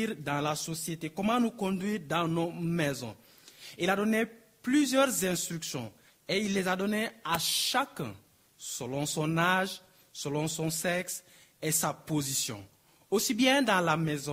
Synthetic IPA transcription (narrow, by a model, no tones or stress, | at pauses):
iʁd̪ɑ̃lasɔsjet̪ekɔmɑ̃nukɔ̃d̪ɥiːʁd̪ɑ̃nomɛzɔ̰̃ | ilad̪ɔne | plyzjœʁzɛ̃st̪χyksjɔ̰̃ | eilːezad̪ɔneaʃakɛ̰̃ | səlɔ̃sɔ̃naʒ | səlɔ̃sɔ̃sɛks | esapozisjɔ̰̃ | osibjɛ̃d̪ãlamɛzɔ̃